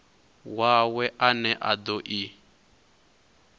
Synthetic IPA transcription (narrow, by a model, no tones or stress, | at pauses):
wawɛʔanɛʔad̪ɔʔi